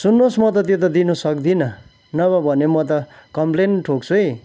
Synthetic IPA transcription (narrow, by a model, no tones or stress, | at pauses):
sunːosmʌt̪ʌt̪jet̪̬ʌd̪inusʌk̚d̪inʌ | nʌβʌbʱʌnemʌt̪ʌkʌmplenʈʰok̚t͡sʰuj